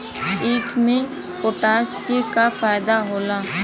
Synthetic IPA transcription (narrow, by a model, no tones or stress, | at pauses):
iːʈʰmẽ | koːʈaːskekafaːjd̪aɦoːlaː